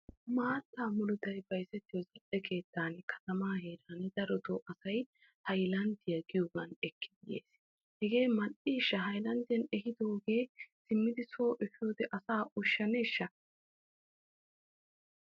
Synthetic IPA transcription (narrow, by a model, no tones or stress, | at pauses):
maːt̪ːaːmʊlʊt̪ɐjbɐjsɛt̪ːɪjɔzɐʔɛkʰe̞ːt̪ːaːnkʰɐ̥t̪ɐmaːheːɾaːnd̪ɐɾɔt̪oʔɐsɐj | hɐjlɐnd̪ɪjɐɡɪjoɡɐnɛkːɪd̪ɪjḛːs | hɛɡe̞ːmɐʔiːʃːɐɦɐjlɐnd̪ɪjɐnɛhɪd̪o̞ːɡe̞ːsɪmːɪd̪ɪsoːʔɛfɪjo̞ːd̪ɛʔɐsaːʔʊʃːɐneːʃːɐ